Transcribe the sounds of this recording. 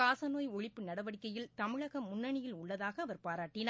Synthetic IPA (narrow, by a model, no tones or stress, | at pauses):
aːsɐnoːjɔɻɪpːɯnɐɽɐʋɐɽɪkːɐjɪlt̪ɐmɪɻɐɣɐmːʊnːɐɳɪjɪlʊɭːɐðaːɣɐːʋɐɾpaːɾaːʈːɪnaː